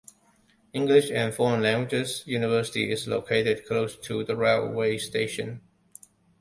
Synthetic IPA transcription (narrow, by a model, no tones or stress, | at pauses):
ɪ̃ŋɡlɪʃæ̃nfɔɹə̃nlæ̃ŋɡwɪd͡ʒɪzjunɪvɜˑ˞sɪ̥tḭɪzlo̰ʊkʰeɪɾɪd̚kʰloʊstʰuðəɹeweɪsteɪʃə̰̃n